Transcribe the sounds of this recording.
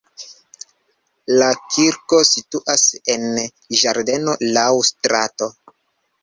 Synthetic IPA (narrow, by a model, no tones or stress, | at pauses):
lakʰiɾko̞situʔasen | ʒaɾde̞no̞lawstɾa̰to̞